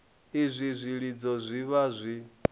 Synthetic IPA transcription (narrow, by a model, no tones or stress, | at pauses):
izʷizʷiɺid͡zɔzʷiβazʷi